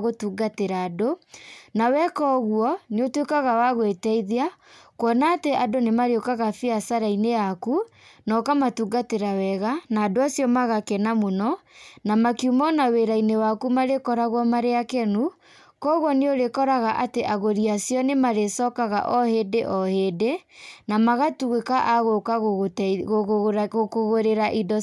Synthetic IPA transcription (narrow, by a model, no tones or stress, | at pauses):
ɣotuːɡateɾaːdonawɛkɔɣwɔneotwekaɣawaɣwetɛiðiakwɔnaːteʔadonemaɾeokaɣafiasaɾainejakunɔkamatuɡateɾawɛɣanaːdoasjɔmaɣakɛnamonɔnamakijumɔnaweɾainewakumaɾekɔɾaɣwɔmaɾeakɛnu | kɔːɣwɔneoɾekɔɾaɣaʔateʔaɣoɾiasjɔnemaɾesɔkaɣa̰ʔɔhedeʔɔheːdenamaɣatuɣekaʔaɣokaɣoɣɣɣokoɣoɾeɾaʔidɔ